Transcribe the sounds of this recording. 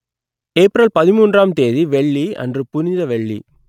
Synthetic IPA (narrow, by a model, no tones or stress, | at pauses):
eːpːɾɐlpɐðɪmuːndraːmt̪eːðiʋɛɭːiɐ̰ndrɯpʊnɪðɐʋɛɭːḭ